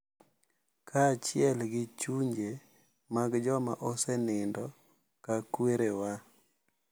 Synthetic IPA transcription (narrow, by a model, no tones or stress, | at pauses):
kʰat͡ʃɪɛlɡɪt͡ʃuɲd͡ʒe | maɡd͡ʒɔma̰ʔosɛnɪndɔ | kakweɾewa